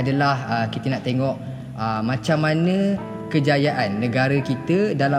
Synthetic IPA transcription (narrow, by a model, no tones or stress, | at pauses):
adalahəkit̪ənaʔt̪eŋɔʔ | əmãt͡ʃamːanə̃ | kəd͡ʒajaʔanːə̃ɡaɾəkit̪ədala